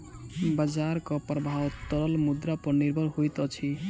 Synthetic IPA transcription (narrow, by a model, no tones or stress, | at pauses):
bad͡ʒaɾkʌpɾəbʱawt̪ɔɾʌlmud̪ɾapəɾniɾbʱʌlɦojt̪ʌt͡ʃʰi